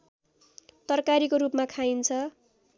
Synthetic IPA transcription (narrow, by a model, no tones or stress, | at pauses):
t̪ʌrkaɾikoɾupmakʰajnt͡sʰʌ